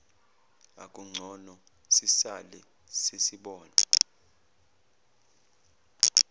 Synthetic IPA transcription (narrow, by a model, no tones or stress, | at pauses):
a̰kʼuŋ͡ǀʱɔnɔ | sisalɛ | sesiɓɔːna